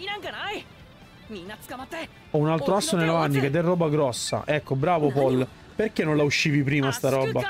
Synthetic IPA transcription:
inaŋkanaj | minat̪skamat̪ːɛ | ɔunalt̪ɾoasːonelːavanːiked̪ːɛrːɔːbaɡɾɔsːa̰ʔɛkːobɾaːvopɔlː | perk̟enːonlauʃːiːvip̬ɾiːmast̪aɾɔːba

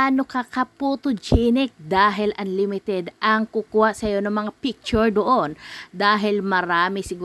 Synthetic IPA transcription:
ʔanokɐkɐpuːt̪ʊd͡ʒinɪk̚d̪aːɦɪlʔɐnlɪmɪt̪ɛd̪ʔɐŋkukuhaʔsɐjo̞nɐŋmɐŋapik̚t͡ʃʊɹd̪oʔond̪aːɦɪlmɐɾaːmɪsɪɡuː

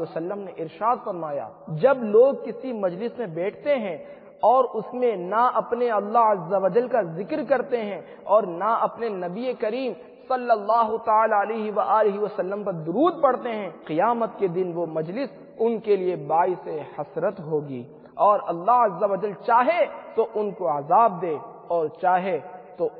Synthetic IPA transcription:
ɐsɐlːəmneʔɪɾʃaːd̪fɐɾmaːja̰ː | d͡ʒɐbloːɡ̚kɪsimɐd͡ʒlɪsmẽbɛːʈʰt̪eɦɛ̃ | ɔːɾʊsmẽnaʔɐpneɐlːaɦɐzːɐʋɐd͡ʒəlkazɪkɾkɐɾt̪eɦɛ̃ | ɔːɾnaɐpnenɐbiekɐɾiːm | sɐlːəlːaːɦʊt̪ɐaːlaːleɦiʋaʔaːlɪɦiʋɐsɐlːəmpɐɾd̪ʊɾuːd̪̚pɐɽt̪eɦɛ̃qɪjaːmət̪̚ked̪ɪnʋomɐd͡ʒlɪs | ʊnkeliebaːisehɐsɾət̪ɦoːɡḭː | ɔːɾɐlːaɦɐzːɐʋəd͡ʒəlt͡ʃaːɦet̪oʔʊnkoɐzaːb̚d̪eː | ɔːɾt͡ʃaːɦet̪o

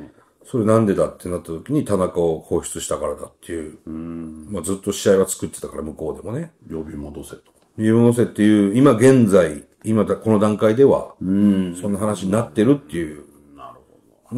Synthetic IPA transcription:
so̞ɾe̞nãnd̪e̞d̪at̪ːe̞nat̪ːat̪o̞kʲiɲ̟it̪anakao̞ho̞ːɕɨ̥t͡sɨɕi̥t̪akaɾad̪a̰t̪ːe̞jɯ̟ː | mad͡zɨt̪ːo̞ɕiaiβat͡sɨ̥kɯ̟t̪ːe̞t̪akaɾamɯ̟ko̞ːd̪e̞mo̞nejobʲimod̪oset̪ | joiimo̞d̪o̞s̬e̞t̪ːe̞jɯ̟ːimaɡẽ̞nd͡zai | imad̪ko̞no̞d̪ãŋkaid̪e̞βa̰ | sõ̞nːaɦanaɕiɲ̟inat̪ːe̞ɾɯ̟t̪ːe̞jɯ̟ː

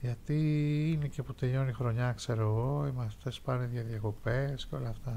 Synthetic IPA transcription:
ʝɐt̪iinece̞put̪eʎo̞nixɾo̞ɲɐkse̞ɾoɣoimɐst̪espɐneðjɐðiɐko̞pesceo̞lɐːft̪ɐ

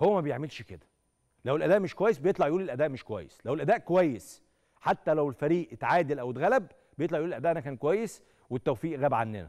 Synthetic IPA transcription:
howːæmæbejeʕmelʃked̪æ̥ | læwelʔæd̪æːʔmeʃkowæjːesbejet̪lɑʕjʔuːlelʔæd̪æːʔmeʃkowæ̰jːeslæwelʔæd̪æːʔkowæjːes | ħat̪ːælæwelfæɾiːʔet̪ʕaːd̪elʔæwet̪ɣælæb | bejet̪ˤlɑʕjʔuːelʔæd̪æːʔænækæːnkowæjːes | wet̪ːæwfiːʔɣæːbʕanːḛnæ̰

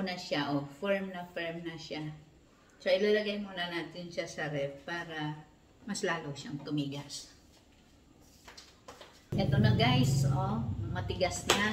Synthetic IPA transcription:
nɐʃaʔofɛɹmnɐfɛɹmnɐʃa | t͡ʃaʔɪlalɐɡajmuːnɐnaːt̪ɪnʃasɐɾɛpaːɾɐ | mɐslaːloʃaŋt̪ʊmiːɡas | ʔɛt̪onɐɡajsomɐt̪ɪɡasna

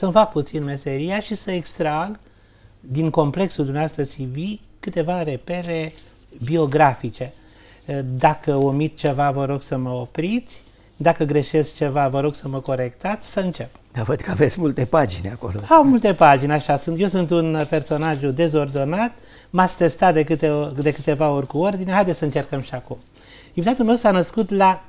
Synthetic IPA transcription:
səmfak̚put̪sinme̞se̞ɾijaʃisəekst̪ɾaɡ | d̪iŋko̞mple̞ksuld̪umnewast̪əsivikɨt̪e̞vare̞pe̞ɾe̞ | bio̞ɡɾafit͡ʃe̞ | d̪akəomit̪t͡ʃe̞vavəɾo̞ɡsəməopɾit̪sʲ | d̪akəɡɾe̞ʃe̞sk̚t͡ʃe̞vavəɾo̞ɡsəməko̞ɾe̞kt̪at̪sʲsəɨnt͡ʃe̞p | d̪̥avəd̪̥kəavet̪sʲmult̪epad͡ʒineako̰loamult̪e̞pad͡ʒineaʃasunt̪jewsunt̪unpe̞rso̞naʒud̪e̞zo̞rd̪o̞nat̪ | masʲt̪e̞st̪at̪̚d̪e̞kɨt̪ed̪e̞kɨt̪e̞vao̞rʲkuo̞rd̪ineɦajd̪esəɨnt͡ʃe̞rkəmʃiakum | invit̪at̪ulme̞wsanəskut̪la

